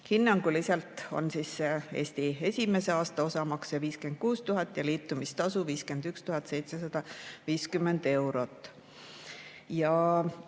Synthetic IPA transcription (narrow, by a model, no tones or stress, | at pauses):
hinːɑŋɡ̥ulisɑlt̪ˑo̞̰nsise̞ːsʲt̪ie̞sʲime̞se̞ɑːst̪ɑosɑmɑksjɑviːske̞nd̪̥̚kuːst̪uɦɑt̪ːˑjɑliːt̪ːˑumist̪ɑsuviːske̞nd̪̥ykst̪uɦɑt̪ːˑse̞jt̪se̞sɑd̪̥ɑviːskymːe̞nd̪̥e̞wɾo̞t̪ːˑ | jɑ